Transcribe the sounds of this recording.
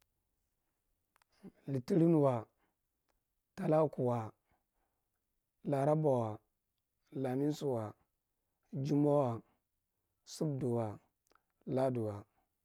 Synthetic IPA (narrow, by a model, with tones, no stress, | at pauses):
li˨ti˦ɾi˦n˨wa˨ | ta˦la˦ku˨wa˨ | la˨ɾa˦ba˨wa˨ | la˨mi˦su˨wa˨ | d͡ʒi˦mo˦wa˨ | su˦bdu˨wa˨ | la˦du˨wa˨